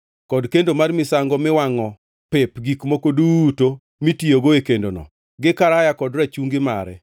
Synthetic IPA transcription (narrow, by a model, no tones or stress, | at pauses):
kɔdkendomarmɪsaŋɡɔmɪwaŋɔ | pepɡikmokoduːto | mitioɡoekendonɔ̰ | ɡɪkaɾajakɔdɾat͡ʃuŋɡɪma̰ɾɛ̰